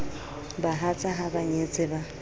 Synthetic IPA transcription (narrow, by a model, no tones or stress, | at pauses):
baɦat͡sʼaɦabaɲet͡sʼɪba